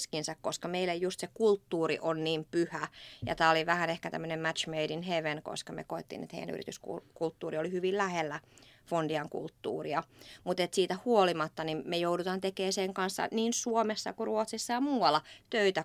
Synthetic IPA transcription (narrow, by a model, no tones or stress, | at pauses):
skinsækkoskɑmeilejjust̪sekult̪ːuːrḭʔonniːmpyhæjɑ̰t̪æːoliʋæhænehkæt̪æ̰mːønemmæt̪t͡ʃmeidinheʋenko̰skɑmḛkoet̪ːḭːnḛt̪hḛijæ̰ny̰rḭt̪yskṵkult̪ːuːriolihyʋillæhelːæfondiɑŋkṵlt̪ːṵːriɑmut̪et̪siːt̪æhuolimɑt̪ːɑnimmejoudut̪ɑːnt̪ekeːseŋkɑnsːɑ̰niːnsuomesːɑ̰kuruot̪sisːɑjɑmuːwɑlːɑt̪øit̪æ